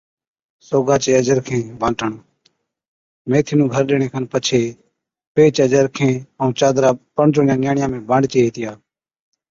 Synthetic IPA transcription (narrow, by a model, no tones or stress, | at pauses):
soːɡaːt͡ʃeːəd͡ʒəɾkʰẽːbãːʈəɳ | meːt̪ʰiːnũːɡʱəɾɗeːɳ̃eːkʰənpət͡ʃʰeː | peːt͡ʃəd͡ʒəɾkʰẽːəũːt͡ʃaːd̪ɾaːpəɳt͡ʃoːɳɪjãːnɪjaːɳɪjãːmẽːbaɳɖt͡ʃeːɦeːt̪ɪjaː